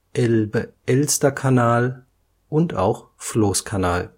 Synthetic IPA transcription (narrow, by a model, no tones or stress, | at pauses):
ʔɛlbəʔɛlstɐkʰanaːl | ʔʊnta̰ʊxfloːskʰanaːl